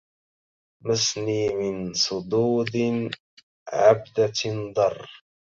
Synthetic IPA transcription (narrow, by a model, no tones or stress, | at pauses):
masniːmɪnsˤʊd̪uːd̪ | ʕa̰bd̪ad̪ˤɑrˤː